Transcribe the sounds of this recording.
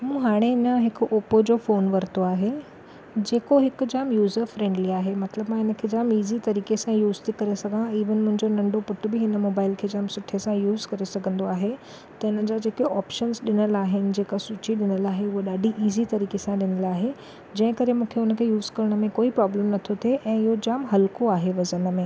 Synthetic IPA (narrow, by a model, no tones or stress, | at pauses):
mũːɦaːɽ̃eɪnə̆ɦɪkʊʔoːpod͡ʑoːfoːnʋɐɾt̪oaːɦe | d͡ʑeːkoɦɪkʊd͡ʑaːmjuːzəɾfɾẽːɳɖliaːɦemɐt̪ləbmãɪnə̆kʰeːd͡ʑaːmiːzit̪ɐɾiːkesãjuːzt̪ʰikɐɾesɐɡʱãiːʋənɪmʊ̃ɦɪ̃ɲd͡ʑonɐ̃ɳɖopʊʈʊ̆bɪɦɪnə̆moːbaːɪlkʰeːd͡ʑaːmsʊʈʰesãjuːzkɐɾesɐɡʱə̃nd̪oaːɦe | t̪ɐɪnəd͡ʑad͡ʑeːkiɔːpʃənzɗɪnəlaːɦɪnɪ̆d͡ʑeːkasʊt͡ɕiɗɪnəlaːɦeʊɦoɗaːɖʱiʔiːzit̪ɐɾiːkesãɗɪnəlaːɦe | d͡ʑɐ̃ɦɪ̃kɐɾemũːkʰeʊnə̆kʰeːjuːzkɐɾɽ̃ə̆mẽkoːipɾɔːbləmnɐt̪ʰot̪ʰeʔɛ̃ːɪɦod͡ʑaːmɦɐlkoaːɦeʋɐzənə̆mẽː